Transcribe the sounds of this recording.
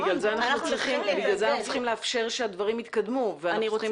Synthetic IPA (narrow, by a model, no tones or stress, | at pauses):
ɡlalzeanaχut͡sʁiχimbiɡlalzeanaχnut͡sʁiχimleafʃe̞ʁʃead̪vaʁimit̪kad̪muveaniʁo